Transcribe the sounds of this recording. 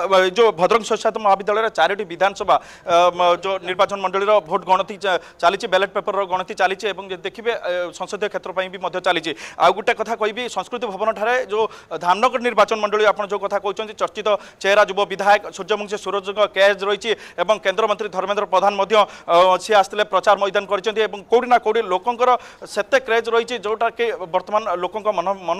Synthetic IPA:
d͡ʒobʱɔd̪ɾɔŋɡsɔsat̪ɔmɔɦabid̪ːalɔjɔɾet͡ʃaɾiʈibid̪ʱanɔsɔbʱa | d͡ʒoniɾbat͡ʃɔnmɔɳɖɔɭiɾɔbʱoʈɡɔɽ̃ɔt̪i | t͡ʃalit͡ʃʰibeleʈ̚pepɔɾɾɔɡɔɽ̃ɔt̪it͡ʃalit͡ʃʰiebɔŋd͡ʒed̪ekʰibesɔŋsod̪ʱjɔkʰet̪ɾɔpaj̃bimɔd̪ʱjɔt͡ʃalit͡ʃʰia̰wɡuʈekɔt̪ʰakɔɦibisɔ̃ŋskɾut̪ibʱɔbɔnɔʈʰaɾed͡ʒod̪ʱamnɔɡɔɾɔniɾbat͡ʃɔnmɔɳɖɔɭiapɔɽ̃d͡ʒewkɔt̪ʰakɔɦut͡ʃʰɔnt̪it͡ʃɔɾt͡ʃit̪ɔ | t͡ʃeɦɾad͡ʒubɔbid̪ʱajɔksuɾd͡ʒɔmuŋsisuɾɔd͡ʒɔŋɡɔked͡ʒɾɔit͡ʃʰiebɔŋkend̪ɾɔmɔnt̪ɾid̪ʱɔɾmend̪ɾɔpɾɔd̪ʱanmɔd̪ʱjɔsiast̪ilepɾɔt͡ʃaɾmɔjd̪ʱankɔɾit͡ʃʰɔnt̪iebɔŋkowɽinakowɽilokɔŋkɔɾɔset̪ekɾed͡ʒɾɔit͡ʃʰid͡ʒewʈakibɔɾt̪ɔmanlokɔŋkɔmɔn

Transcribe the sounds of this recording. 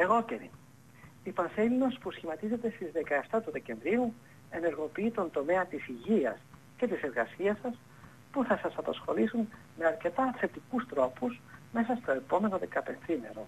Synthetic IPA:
e̞ɣo̞ceɾḭ | ipɐnselino̞spusçimɐt̪ize̞t̪e̞st̪izðe̞kɐe̞ft̪ɐt̪uðe̞ce̞ɱvɾiu | e̞ne̞ɾɣo̞piit̪o̞nd̪o̞me̞ɐt̪isiʝiɐs | ce̞t̪ise̞ɾɣɐsiɐsɐs | puθɐsɐsɐpɐsxo̞lisun | me̞ɐɾce̞t̪ɐθe̞t̪ikust̪ɾo̞puzme̞s̬ɐst̪o̞e̞po̞me̞no̞ðe̞kɐpe̞nθime̞̰ɾo̞

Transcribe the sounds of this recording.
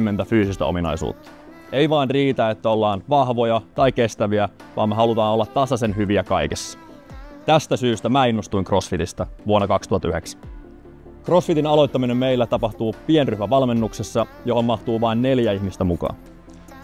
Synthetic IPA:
mːe̞nt̪æfyːsist̪æ̰ominɑ̰jsṵːt̪ːɑ̥ | ejʋɑinriːt̪æet̪ːæo̞lːɑːnʋɑhʋo̞jɑt̪ɑjke̞st̪æʋiæʋɑːmːeɦɑlut̪ɑːno̞lːɑt̪ːɑsɑse̞nɦyʋiækɑjkesːɑ̥ | t̪æst̪æsyːst̪æmæːinːost̪uiŋkro̞sfit̪ist̪ɑʋuonːɑkɑkst̪uhɑt̪ːyheksæ̥ | kro̞sfit̪inɑlo̞jt̪ːɑminemːejlːæt̪ɑpɑht̪uːpienryhmæʋɑlme̞nːuksesːɑjo̞ɦo̞mmɑht̪uːʋɑinːe̞ljæiçmist̪æmukɑ̰ːn

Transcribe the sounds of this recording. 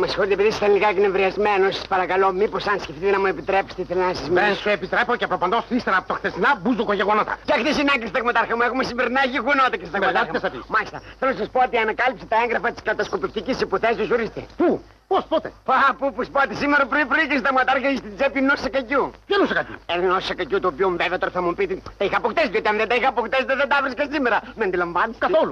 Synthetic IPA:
mɐsi̥xo̞ɾit̪epiðisɐ̥sɐnliɣɐknevɾiɐzme̞nosɐspɐɾɐkɐlo̞miposɐnsceft̪it̪enɐmue̞pit̪ɾe̞pst̪eiθelnɐsizmiensuepit̪ɾe̞pocepɾopɐnd̪osist̪eɾɐpot̪oxθest̪inɐbuzokoʝeɣonot̪ɐ̰cɐxt̪isinɐkist̪ɐɣmɐt̪ɐɾxɐmuexumesimbeɾinɐʝeɣonot̪ɐcest̪t̪ɐɣmɐt̪ɐxɐmesɐpimɐlist̪ɐθelnɐs̬ɐspoot̪iɐnɐkɐlipse̥t̪ɐeŋɣɾɐfɐt̪i̥skɐt̪ɐskopift̪icisepuθesosoɾist̪epu | pospot̪epapupuspot̪esimeɾɐpɾoipɾoicest̪ɐɣmɐt̪aɾxɐist̪it͡sepinosɐkɐcupjɐnusɐkɐcṵennosɐkɐcut̪uːpiomuveveɐt̪oɾθɐmupit̪it̪ɐixɐpokt̪esðiot̪iɐmðend̪ɐixɐɐpokt̪est̪ɐðed̪ɐvɾiskɐssimeɾɐmeɐnd̪ilɐɱvɐniskɐθolu

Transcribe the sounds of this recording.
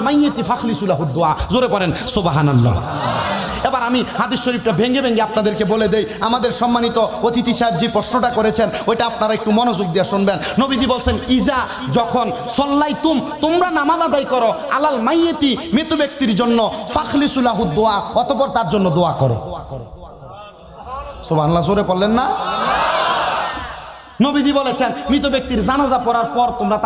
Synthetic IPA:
majet̪ifʰakʰlisulaɦud̪̚d̪oazoɾepɔɾensobaɦananlɔ̰ | ebaɾamihad̪isːoɾip̚ʈabʱeŋɡebʱeŋɡeapnad̪eɾkeboled̪ejamad̪eɾʃɔmːanit̪ɔot̪it̪iʃab̚d͡ʑipɾosnɔʈakɔɾet͡ɕʰenojʈaapnaɾaek̚ʈumɔnod͡ʒoɡ̚d̪ijaʃunbenːobid͡ʑibolsʰeniza | d͡ʒɔkʰɔn | sɔlːajt̪umt̪omɾanamabad̪ajkɔɾɔa̰lalmajːet̪imet̪obek̚t̪iɾd͡ʒonːɔfakʰlisulaɦut̪̚d̪oaɔt̪ɔpɔɾt̪aɾd͡ʒonːɔd̪oakɔɾḛe | sobʱaŋlas̬oɾepɔlːenːa | nobid̪ibolet͡ɕʰenmit̪̬obek̚t̪iɾzanazapɔɾaɾpɔɾt̪omɾat̪

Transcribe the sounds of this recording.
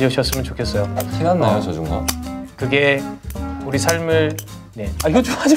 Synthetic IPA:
iʌɕʰʌs͈ɯmjʌnt͡ɕokʰes͈ʌjoakʰinanːajot͡ɕʌd͡ʑuŋɡa̰kɯɡe̞ | uɾisʰaɭmɯɭ | ne̞aiɡʌt͡ɕad͡ʑi

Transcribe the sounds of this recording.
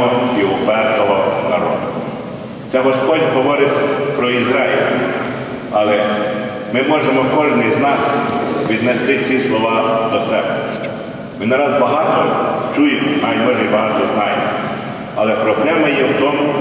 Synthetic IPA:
ɔɔɦɔpɛrnɔɦɔnɐ̰ɾɔ̰d̪ʊ | sɛɦɔspɔdʲɦɔʋɔɾɪtʲpɾɔizɾɑjɪlʲ | ɐlˠɛ | mɪmɔʒemɔkɔʒnɪjznɑsʋʲid̪nɛst̪ɪt͡sʲislˠɔʋɑd̪ɔsɛbɛ | mɪnɐɾɑzbɐɦɑt̪ɔt͡ʃujemɔɐjɔʒɪjbɐɦɑt̪ɔznɑjemɔ | ɐ̰lɛpɾɔpɾʲɛmɐjɛwt̪ɔmʊ

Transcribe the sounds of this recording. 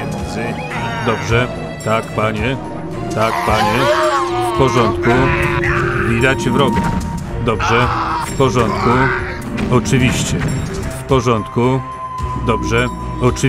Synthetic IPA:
ɛnzɘ | d̪ɔbʐɛ | t̪akpaɲɛ | t̪akpaɲɛfpɔʐɔnt̪ku | vʲid̪ad͡ʑvɾɔɡad̪ɔbʐɛfpɔʐɔnt̪ku | ɔt͡ʂɘvʲiɕt͡ɕɛfpɔʐɔnt̪ku | d̪ɔbʐɛ | ɔt͡ʂɨ

